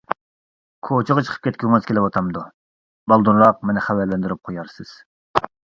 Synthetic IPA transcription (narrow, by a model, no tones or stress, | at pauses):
kʰot͡ʃʰəʁɑt͡ʃʰə̥qʰə̥pkʲʰɛt̪̚ʲkʲyŋɨz̥kʲelɪwɑt̪ʰɑmd̪u | bɑlˠd̪uɾlˠɑq̚menɪχæwɛɾlɛnd̪yɾyp̚qʰojɑɾsɨz̥